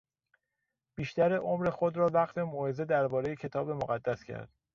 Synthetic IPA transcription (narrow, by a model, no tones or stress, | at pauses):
b̥iːʃt̪æɾeʔomɾe̞xod̪ɾɒːvæɣt̪ʰe̞moːhezed̪æɾbɒːɾejecʰe̞t̪ʰɒːbe̞moɣæd̪ːæscʰæ̰ɾd̪̥